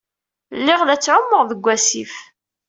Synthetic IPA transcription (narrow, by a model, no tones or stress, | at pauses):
lːɪʁlæt͡sːʕʊmːəʁðəɡʷːæsif